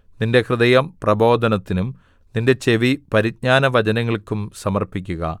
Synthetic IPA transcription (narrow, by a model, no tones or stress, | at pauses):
ninde̞krɨd̪ɐjɐmprɐbo̞ːd̪ʱɐnɐt̪ːinum | ninde̞t͡ɕe̞ʋipɐɾid̚ɲaːnɐʋɐd͡ʑɐnɐŋːɐɭkːumsɐmɐrpikʲːuɣɐ̰